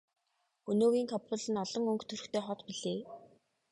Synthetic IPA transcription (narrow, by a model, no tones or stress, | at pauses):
ɵnoːɣiːŋkʰɔpʰʊ̆ɮɘ̆nɔɮ̥ɞ̆ŋɵŋkt̪ʰɵrɵ̆xt̪ʰeːχɔt̪piɮeː